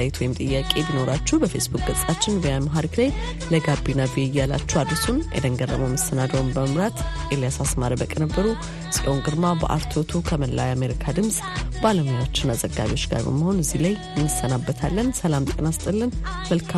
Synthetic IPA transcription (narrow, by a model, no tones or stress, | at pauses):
ajt̪ʰwɔjmt̪ʼɨjːakʼe̞bino̞ɾat͡ʃːuhbəfe̞sbuk̚ʼɡ̥əsʼat͡ʃːɪnviamaɦaɾiklaj | ləɡabːinaviɛjːala̰t͡ʃːuhwad̪ɾəsunʔɛ̰d̪əŋɡərːə̰məwməsənad̪əwmbəməmɾat̪ʔelijasasmaɾibəkʼənəbːəɾu | sʼɛʔoŋɡɨɾmabə̰ʔa̰ɾt̪ʰot̪ʰukʰəməlːa̰jame̞ɾikʰad̪ɨmsʼ | baləmojat͡ʃːɪnazəɡːa̰βio̞t͡ʃːɡa̰ɾbə̰məho̞nɨzːilajjɪnːɨsːənabːət̪ʰalːənsəlamb̪kʼənast̪ʼɨlːɨnməlkʰa